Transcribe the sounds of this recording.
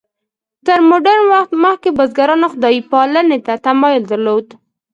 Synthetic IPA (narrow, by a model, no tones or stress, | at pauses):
t̪əɾmoɖaɾnwaxt̪məx̚kebəzɡaɾɑnoxʊd̪ɑjipɑlənet̪at̪amɑjʊld̪aɾlod̪